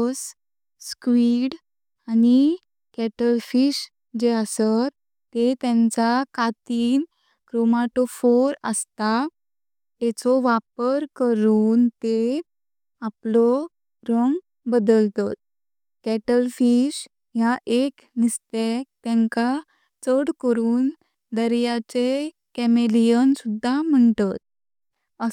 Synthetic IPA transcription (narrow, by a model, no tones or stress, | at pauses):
s | skʋiːɽ | ani | kɛʈəlfiɕ | d͡ʑeəsə | t̪ːet̪ɛ̃ɲt͡sakat̪iːn | kɾɔmaʈofoɾəst̪a | t̪ɛt͡sɔʋapəɾkəɾuːnt̪e | aplɔ | ɾəŋɡ | bəd̪əlt̪ɔt̪̚ | kɛʈəlfiɕ | jaʔek | nist̪ek̚t̪ɛ̃ŋka | t͡səɽkəɾuːn | d̪əɾjat͡se | kɛmelijənsud̪ʱːam̤əɳt̪ɔt̪̚ | ə